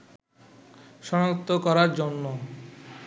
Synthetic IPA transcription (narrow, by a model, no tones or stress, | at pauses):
ʃɔnat̪ːokɔɾaɾd͡ʑonːo